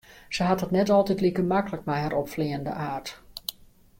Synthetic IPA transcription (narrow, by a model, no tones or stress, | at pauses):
səɦatɦətnɛtɔlˠtɛtlikəmakələk̚mɛjɦɛɾʔɔpfliəndə̰ʔaːrt